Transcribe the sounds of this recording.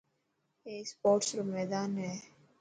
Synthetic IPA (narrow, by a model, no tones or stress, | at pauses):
eːspoːʈsɾomɛːd̪aːnɦɛː